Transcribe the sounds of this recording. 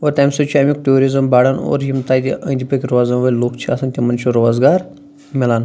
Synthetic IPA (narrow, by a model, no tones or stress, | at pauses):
oɾt̪amsot͡ʃʰamik̚ʈoːɾizɐmbaːɽɐno̰ːɾjimt̪aːd̪ʲiʔə̰̃ːnd̪ʲipəkʲiɾoaːzɐmʋɐlʲloːkt͡ʃʰiaːsʰɐnt̪ʲimɐnt͡ʃʰoɾoːzɡaːɾ | mʲilaːn